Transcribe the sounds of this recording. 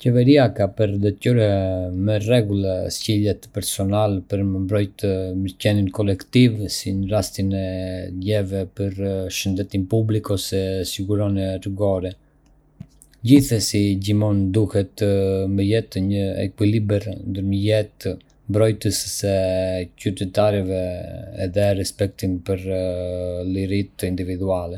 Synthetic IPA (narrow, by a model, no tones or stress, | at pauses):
cɛvɛɾiakapəɾd̪ɔt̪uɾɛmɛrɛɡulˠɛscilɛt̪pɛɾsɔnalɛpəɾməmbɾɔjt̪məɾcɛninkɔlɛkt̪ivsiɲəɾast̪inɛʎɛvɛpəɾʃənd̪ɛt̪inpublikɔsɛsiɡuɾɔnɛɾuɡɔɾɛ | ɟiθɛsiɟimɔnd̪uhɛt̪məjɛt̪ɲəɛ̰kwilibɛɾnd̪əɾməjɛt̪ | mbɾɔjt̪əssɛcyt̪ɛt̪aɾɛvɛɛðɛrɛspɛk̚t̪inpəɾ | liɾit̪ind̪ivid̪ualɛ